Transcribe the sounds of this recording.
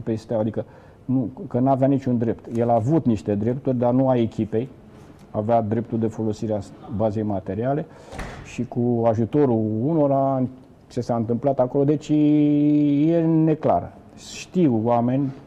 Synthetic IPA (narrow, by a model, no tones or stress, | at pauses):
pest̪eawad̪ikə | nukənuaveanit͡ʃund̪ɾe̞pt̪je̞laːvut̪niʃt̪e̞d̪ɾe̞pt̪urʲd̪arnuae̞kʲipe̞j | avead̪ɾe̞pt̪uld̪e̞fo̞lo̞siɾeabaze̞jmat̪e̞ɾiale̞ | ʃikuaʒut̪o̞ɾuuno̞ɾan | t͡ʃe̞saɨnt̪ɨmplat̪ako̞lo̞d̪e̞t͡ʃʲ | je̞ne̞kla̰ɾə̰ | ʃt̪iwwame̞nʲ